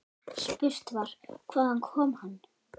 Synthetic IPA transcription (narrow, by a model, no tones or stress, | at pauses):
spʏr̥t̪vaɾ̥kʰvaːðankʰɔːmhanː